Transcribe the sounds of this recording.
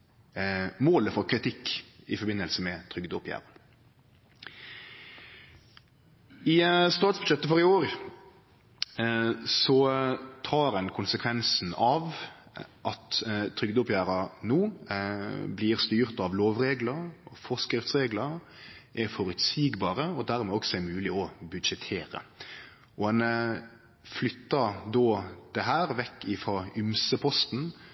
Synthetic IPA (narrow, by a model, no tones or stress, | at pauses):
moːləfɔʁkʰɾɪt̪ʰɪkːɪfɔɾbɪnəlsəmɛt̪ʰɾʏɡd̪ʊpʰjæ̰ːɾɑn | ɪst̪ɑːt̪sbʉd̪ʃɛt̪ːəfɔɾɪoːɾ | sɔt̪ʰɑːɾɛnkʰʊnsəkʰʋɛnsn̩ɑʋ | ʔɑt̪t̪ʰɾʏɡd̪ʊpjæːɾɑnuː | bliːɾst̪yːʁt̪ɑʋloːʋʁeːɡləɾɔfɔʁskɾɪft̪sʁeːɡləɾ | ʔɛfɔɾʉt̪siːɡbɑːɾəɔd̪æɾmɛɔksɔɛɾmʉːlɪɔbʉd̪ʃɛt̪ʰeːɾə̰ | ʔɔɛn | flʏt̪ːɑd̪ɔd̪̥ɛɦæːɾʋɛkːɪfɾɑʉmsəpʰɔst̪n̩